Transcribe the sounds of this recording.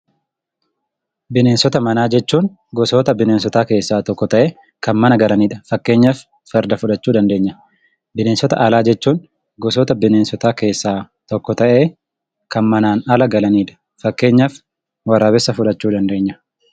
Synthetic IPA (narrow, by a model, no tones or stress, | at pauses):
bɪne̞ːnsɔt̪ɐmɐnaːd͡ʒɛt͡ʃːuːn | ɡɔsoːt̪ɐbɪne̞ːnsɔt̪aːke̞ːsːaːt̪ɔkːɔt̪ɐʔeː | kɐnmɐnɐɡɐlɐniːᶑɐ̥fɐkːe̞ːɲːɐfː | ɐɾd̪ɐfʊᶑɐt͡ʃːuːd̪ɐnd̪e̞ːɲːɐ | bɪneːnsɔt̪ɐ̰ʔɐlaːd͡ʒɛt͡ʃːuːn | ɡɔs̬ɔːt̪ɐbɪneːnsɔt̪aːke̞ːsːaː | t̪ɔkːɔt̪ɐʔe̞ː | kɐnmɐnaːnɐlɐɡɐlɐniːᶑɐ̥ | fɐkːe̞ːɲːɐf | wɐraːbɪsːɐfʊᶑɐt͡ʃːuːd̪ɐnd̪e̞ːɲːɐ̥